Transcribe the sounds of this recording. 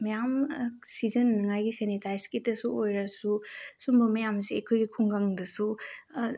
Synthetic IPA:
mɐjamsizɐnːɐŋajɡisenitajskitɐsuojɾɐsusumbɐmɐjamseejkʰojɡikʰuŋɡaŋdɐsu

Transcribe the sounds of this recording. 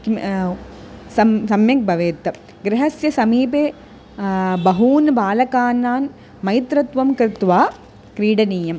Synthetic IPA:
k | sɐsɐmjɐk̚bʱɐʋeːt̪ɐ | ɡɾɪɦɐsjɐsɐmiːpeː | bɐɦuːnbaːlɐkaːnːaːn | mɐjt̪ɾɐt̪ʋɐmkɾɪt̪ʋaː | kɾiːɽɐniːjɐm

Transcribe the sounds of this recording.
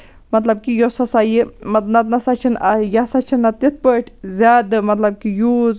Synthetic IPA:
mɐt̪lɐb̚kijosɐsaːjimɐt̪̚nɐt̪nɐsat͡ʃʰinɐjasat͡ʃʰinːɐt̪ːit̪̚ʰpəʈʰzʲaːd̪ɨmɐt̪lɐb̚kijuːz

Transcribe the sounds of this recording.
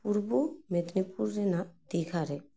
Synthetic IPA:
puɾbomed̪nipuɾːenad̪iɡʰʱaɾe

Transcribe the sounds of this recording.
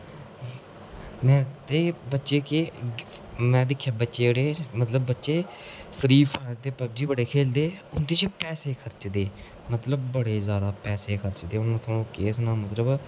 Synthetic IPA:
mɛ̃ːt̪eːbətːʃeːke | mɛ̃ːd̪ɪkʰːjaːbətːʃeːɽeːmət̪ləbːətːʃeː | pʰɾiːpʰaːɾt̪eːpəb̚d͡ʒiːbəɽeːkʰeːld̪eːʊnd̪iːt͡ʃpɛːseːkʰəɾt͡ʃd̪eː | mət̪ləbbəɽeːzjaːd̪aːpɛːseːkʰəɾt͡ʃd̪eːʊnãːt̪ʰõːkeːsnãːmət̪ləb

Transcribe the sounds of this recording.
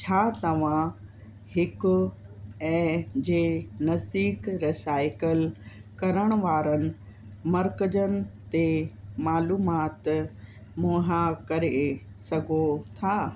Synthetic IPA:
t͡ɕʰaːt̪ɐʋ̤ã | hɪkʊ | ɛ̃ːd͡ʑeːnɐzd̪iːkɾɪsaːɪkɪlkɐɾəɽ̃ʊ̆ʋaːɾənɪ̆ | mɐɾkəd͡ʑənɪ̆t̪emaːluːmaːt̪ | moːɦãkɐɾe | sɐɡʱot̪ʰaː

